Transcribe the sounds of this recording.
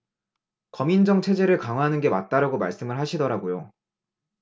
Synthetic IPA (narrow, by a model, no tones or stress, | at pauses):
kʌmind͡ʑʌŋt͡ɕʰe̞d͡ʑe̞ɾɯɭkaŋɦwaɦanɯnɡe̞ma̰t̚t͈aɾaɡoma̰ɭs͈ɯmɯɭɦaɕʰidʌɾaɡojo